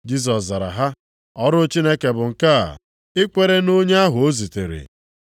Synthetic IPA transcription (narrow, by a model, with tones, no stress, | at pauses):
d͡ʒi˦s̬ɔ˨sza˨ɾa̰˨ɦa˦ | ɔ˦ɾʊ˦t͡ʃi˦ne˦ke˨bʊ˨ŋ̩˨ka˦a̰˨ | ɪ˦kʷe˦ɾe˦no˦ɲe˦a˦ɦʊ˨o˦zi˨te˨ɾḛ˨